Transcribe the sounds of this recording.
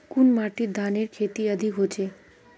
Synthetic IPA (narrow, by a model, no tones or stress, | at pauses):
kunmaʈiɾd̪ʱaneɾkʰet̪iəd̪ʱikɦot͡ɕʰe